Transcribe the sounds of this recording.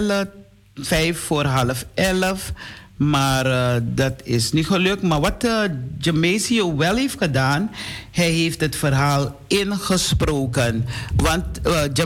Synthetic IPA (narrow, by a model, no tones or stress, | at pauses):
lə | fɛjfːoːrɦɑləfɛləfmaːrdɑtɪsniχəløk̚tmaːrʋɑtəd͡ʒəmeːsioʋɛlˠɦeːftxədaːnhɛjɦeːftɦətfərɦaːlɪnχəsproːkənʋɑntd͡ʒ